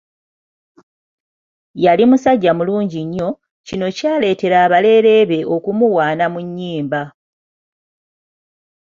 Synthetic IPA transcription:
jalimusaɟːamuluːɲɟiɲːo̞ | cino̞caːle̞ːte̞ɾaːβale̞ːɾe̞βe̞ʔo̞kumuwaːnamuɲːiːmba

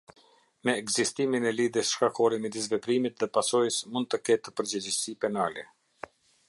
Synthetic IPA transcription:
mɛːɡzist̪iminɛliðjəsʃkakɔɾɛmɛd̪is̬vɛpɾimit̪ðɛpasɔjəsmund̪̚t̪əkɛt̪əpəɾd͡ʑəd͡ʑəsipɛnalɛ

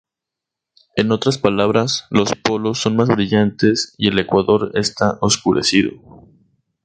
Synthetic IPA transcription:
e̞no̞t̪ɾaspalaβ̞ɾaslo̞spo̞lo̞sːo̞nmazβɾiʝant̪e̞sie̞le̞kwaðo̞ɾe̞st̪aʔo̞skuɾe̞̰siðo̰

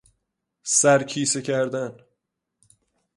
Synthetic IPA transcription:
sæɾcʰiːsecʰæɾd̪æn

